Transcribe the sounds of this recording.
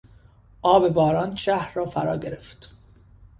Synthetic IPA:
ʔɒːbe̞bɒːɾɒːnʃæhɾːɒːfæɾɒːɟeɾe̞ft̪

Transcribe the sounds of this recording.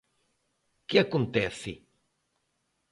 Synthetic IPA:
keakont̪eθi

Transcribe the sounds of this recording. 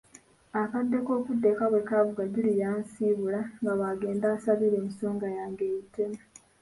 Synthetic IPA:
akadːe̞ko̞ːkudːe̞kaβwe̞kaβuɡaɟilijaːnsiːβulaŋɡaβaɡe̞ːndaːsaβiɾe̞ːmiso̞ːŋɡajaːŋɡe̞ːjiteme

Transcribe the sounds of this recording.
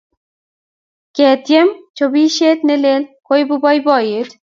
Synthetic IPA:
ket̪ijemt͡ɕʰobiʃet̪nelelkojbubɔjbɔjiɾ

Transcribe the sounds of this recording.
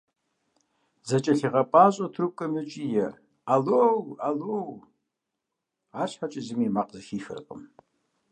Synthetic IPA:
zɐt͡ʃʼɐɬiʁɐpʼaːɕʼotʰrɨp̚kʷʼɐmɨt͡ʃʼijɛ | alowalow | aːɕħat͡ʃʼɪzɨmimaqʼzɐʃiːxɨ̰rqʼə̰m

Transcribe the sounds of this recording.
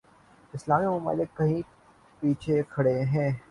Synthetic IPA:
ɪslaːmimʊma̰ːlɪkːɐɦĩ | piːt͡ʃʰekʰɐɽeɦɛ̃ː

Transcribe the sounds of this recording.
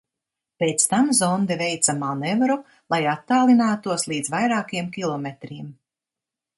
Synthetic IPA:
peːt̪st̪amzɔnd̪ɛvɛjt̪samaːnɛvaɾu | lˠajat̪ːaːlˠinaːt̪uɔslˠiːd̪zvajɾaːkijɛmkʲilˠɔmet̪ɾiːm

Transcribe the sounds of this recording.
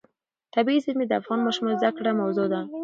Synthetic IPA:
t̪abiizɪd̪ed̪afɣɑnmɔʃmɑzakɽamawzod̪a

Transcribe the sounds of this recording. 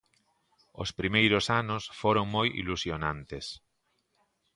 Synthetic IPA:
o̰spɾimejɾosanosfoɾoŋmojḭlusjonãnt̪es

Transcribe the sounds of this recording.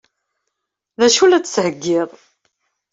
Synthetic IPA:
ðæʃulæt͡sːshəɡːɪðˤ

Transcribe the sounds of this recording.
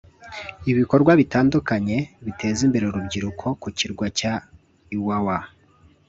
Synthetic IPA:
iβiko̞ɾɡwaβitaːndukaɲe̞βitʰe̞ːzimbe̞ɾeuɾubɟiɾukʰo̞kuciɾɡwaca | iwawa

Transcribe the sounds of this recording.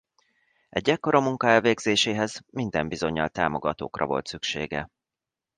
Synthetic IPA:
ɛɟːɛkːo̞ɾɒmuŋkɒɛlveːɡzeːʃeːɦɛzmind̪ɛmbizo̞ɲːɒlt̪aːmo̞ɡɒt̪o̰ːkrɒ̰vo̞̰lt̪sykʃḛːɡɛ̰

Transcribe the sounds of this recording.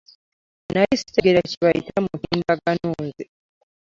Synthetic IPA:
najisi̥teɡeɾaciβajitamuhiːnbaɡanuːnzi

